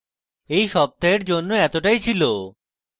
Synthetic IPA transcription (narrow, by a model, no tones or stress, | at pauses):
ejʃɔb̚t̪aeɾd͡ʑonːoɛt̪oʈajt͡ɕʰilo